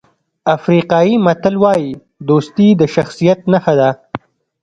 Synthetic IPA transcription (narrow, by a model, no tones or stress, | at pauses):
afɾiqɑjimat̪əlwɑji | d̪ost̪id̪əʃaxsijat̪̚naxad̪a